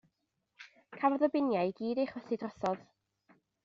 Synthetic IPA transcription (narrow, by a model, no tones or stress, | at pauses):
kʰavɔðɔbɪnjajɡiːdejχwəθɪdrɔθɔð̥